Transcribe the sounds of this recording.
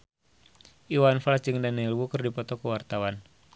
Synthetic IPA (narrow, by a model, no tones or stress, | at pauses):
iwanflasd͡ʒɨŋdanɛlwukɨrdipɔt̪ɔkuwart̪awan